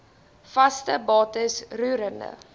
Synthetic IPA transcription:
fɐstəbɑːtəsruːɾəndə̰

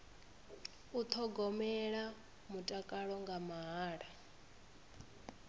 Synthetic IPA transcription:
ut̪ʰɔɡɔmɛɺa | mutʼakʼaɺɔŋɡamaɦaːɺa

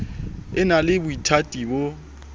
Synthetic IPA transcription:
ɪnalɪbʊitʰatʼibo

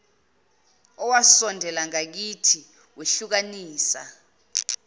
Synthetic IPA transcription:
ɔwasɔndʱɛlaŋak̬itʰi | weɬuk̬aniːsa̰

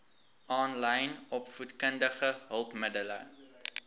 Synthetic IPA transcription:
ʔɑːnlɛjnɔpfutkəndəχəɦəlˠpmədələ̰

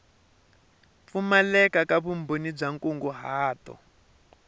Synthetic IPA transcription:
p̪fumalɛkakaβumbonib͡ʐaŋkʼuŋɡuɦaːtɔ̰

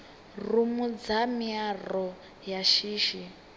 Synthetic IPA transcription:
rumud͡zamiarɔ | jaʃiːʃi

